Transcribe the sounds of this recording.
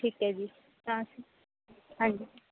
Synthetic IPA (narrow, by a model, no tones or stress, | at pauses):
ʈʰiːkɦɛd͡ʒiː | t̪ãːsiː | ɦãːɲd͡ʒiː